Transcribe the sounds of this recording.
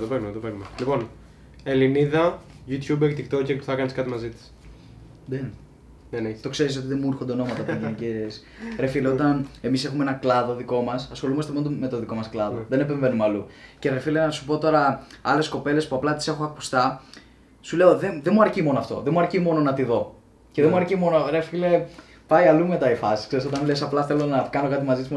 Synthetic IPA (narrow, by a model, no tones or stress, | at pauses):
t̪openumet̪opeknumelipo̞n | eliniðɐ | ʝut̪ʰçubekt̪ikt̪ocekpu̥θɐkɐniskɐt̪imɐzit̪i̥s | ðen | nenet̪o̞kse̞ɾiso̞t̪iðe̞muuɾxond̪eno̞mɐt̪ɐp̪iʝinices | ɾe̞fileo̞t̪ɐne̞mise̞xumeenɐklɐðo̞ðiko̞mɐsɐsxo̞lumɐst̪eond̪me̞t̪o̞ðiko̞mɐsklɐðoðene̞pe̞ɱve̞numeɐluce̞ɾefilenɐsu̥po̞t̪o̞ɾɐɐ̰le̞sko̞pe̞le̞spuɐplɐt̪i̥se̞xuɐku̥st̪ɐ | sule̞o̞ðenðemuɐɾcimo̞noɐft̪o̞̰ðemuɐɾcimo̞no̞nɐt̪iðo̞ | ce̞ðemuɐɾcimo̞noɾefile̞ | pɐjɐlume̞t̪ɐifɐsi̥skse̞ɾiso̞t̪ɐnlesɐplɐθe̞lo̞nɐkɐno̞kɐt̪imɐzit̪sm